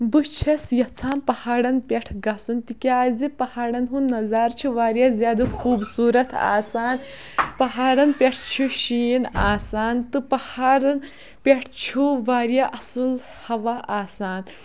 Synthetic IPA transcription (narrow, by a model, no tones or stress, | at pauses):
but͡ʃʰɐsjɐt͡sʰaːnpɐhaːɽɐnpʲeʈʰɡɐsunt̪ikʲaːzipɐhaːɽɐnɦunnːɐzaːɾt͡ʃʰuʋaːɾjaːzjaːd̪ukʰuːbsuːɾɐt̪ʰa̰ːsaːn | pɐɦaːɽɐnpʲeʈʰt͡ʃʰuʃiːnaːsaːnt̪ɨpɐhaːɽɐn | pʲeʈʰt͡ʃʰuʋaːɾjaʔɐsul | hɐʋaʔaːsaːn